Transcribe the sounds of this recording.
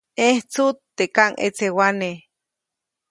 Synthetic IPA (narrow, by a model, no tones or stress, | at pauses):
eht͡sut̪ːekaŋʔḛt͡sewane